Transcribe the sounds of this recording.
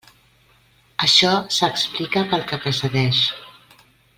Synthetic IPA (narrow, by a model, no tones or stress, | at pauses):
əʃɔsəksplikəpəlˠkəpɾəsəðɛʃ